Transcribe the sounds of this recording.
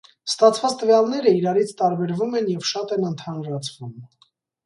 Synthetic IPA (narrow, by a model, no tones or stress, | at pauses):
st̪ɑt͡sʰvɑt͡st̪əvjɑlnɛɾəiɾɑɾit͡sʰt̪ɑɾbɛɾvumɛnjɛvʃɑt̪ɛnənt̪ʰɑnɾɑt͡sʰv̥um